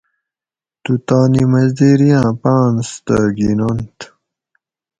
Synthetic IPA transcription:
t̪ut̪aːnimɐzd̪eɾijãːpãːnst̪aɡinont̪

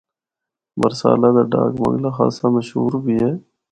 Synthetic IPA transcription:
bəɾsa̰ːlaːd̪aːɖa̰ːkma̰ŋɡlaːxa̰ːsaːməʃɦuːɾbʱiːɦɛː

